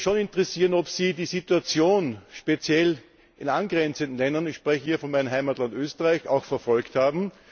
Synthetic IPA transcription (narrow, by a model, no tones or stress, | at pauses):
ʃonɪntəʁɛsiːʁənɔpsiːdiːsituat͡sjoːnʃpet͡sjɛl | ʔɪnanɡʁɛnt͡səntn̩lɛndɐnɪçʃpʁɛçəhiːɐfɔnmæɪnənɦaɪmatlantøːstəʁaɪça̰ʊxfɛɐfɔlkthaːbm̩